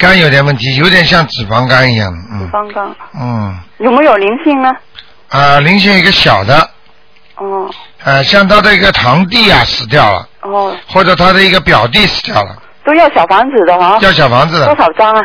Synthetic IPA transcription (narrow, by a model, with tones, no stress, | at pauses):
ka˥njo˧˥ʊt̪jɛ˨˩nwə˥˩nt̪ʰi˧˥jo˧˥ʊt̪jɛ˨˩nɕ̬jɑ˥˩ŋt͡sɹ̩˨˩fɑ˧˥ŋka˥ni˧˥jɑ̰˥˩ŋd̪ə˩n̩˥˩˥ŋka˥˩n̩˥˩jo˧˩ʊme˧˥jo˨˩ʊli˧˥ŋɕi˥˩ŋnə˧ | ə˧li˧˥ŋɕi˥˩ŋ˨˧i˧˥ɡə˧ɕjɑ˨˩ʊd̪ə˦˥˩ | ə˧ɕjɑ˥˩ŋt̪ʰa˥d̪ə˨i˧˥ɡə˧t̪ʰɑ˧˥ŋt̪̬i˥˩ɐ˨˩sɹ̩˧˥˩t̪̬jɑ˥˩ʊlə̰˩˥˧xwɔ˥˩ʈ͡ʂɤ˨˩t̪ʰa˥d̪ə˨i˧˥ɡə˧pjɑ˨˩ʊt̪̬i˥˩ʂɹ̩˧˥t̪jɑ˥˩ʊlə̰˩ | t̪o˥ʊjɑ˥˩ʊɕjɑ˨˩ʊfɑ˧˥ŋt͡sɹ̩˨˩d̪ə˦a˧˥jɑ˥˩ʊɕ̬jɑ˨˩ʊfɑ˧˥ŋd͡zɹ̩˨d̪ə˥sʰɑ˨˩ʊʈ͡ʂɑ˥ŋɐ˧